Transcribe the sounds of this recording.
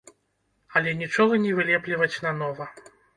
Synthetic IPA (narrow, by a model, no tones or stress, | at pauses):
ɐlʲɛnʲit͡ʂɔɣɐnʲɛvɨlʲɛplʲivɐt͡sʲnɐnɔvɐ